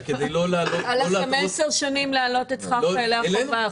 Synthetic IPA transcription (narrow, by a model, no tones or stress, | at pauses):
ked̪ejlolaːloalameseʁʃonimlealo̞t̪et͡sχaleaeva